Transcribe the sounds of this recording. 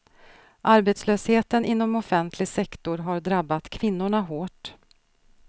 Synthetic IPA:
ʔaɾbet̪sløːsheːt̪ənɪnːɔmɔfɛnt̪ʰlɪɡsɛkt̪ʊɾɦaɾɖɾabːat̪kʰvɪn̪ːʊɳaɦoːʈ

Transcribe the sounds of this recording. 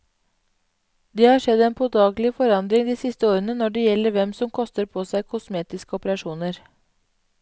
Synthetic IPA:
d̪eːhɑːʂɛd̪eːnpʰoːd̪ɑːɡlɪfɔɾɑnd̪ɾɪŋd̪iːsɪst̪əoːɾənənɔɖeːjɛlːəɾʋɛmsɔmkʰɔst̪əɾpʰoːsæɪkʰʊsmeːt̪ɪskəɔpəɾɑʃuːnəɾ

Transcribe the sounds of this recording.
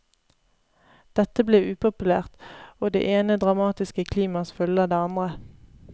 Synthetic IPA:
d̪̥ɛt̪əbleːʔʉːpʊpʉlæːʁt̪oːd̪ḛːʔeːnəd̪ʁɑmɑːt̪ɪskəkʰliːmɑsfʉləd̪eːɑnd̪ʁə

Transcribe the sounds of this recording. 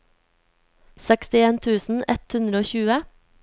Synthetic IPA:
sɛkst̪ɪeːnt̪ʰʉːsn̩ɛt̪hʉnd̪ɾəoːçʉːə

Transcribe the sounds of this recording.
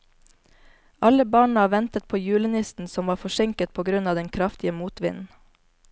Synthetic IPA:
ʔɑləbɑːɳɑːʋɛnt̪ət̪̚pʰoːjʉːlənɪst̪n̩sɔmʋɑːfɔʃɛŋkət̪̚pʰoːɡɾʉnɑːd̪ɛnkʰɾɑft̪ɪəmuːt̪ʋɪ̰nn̩

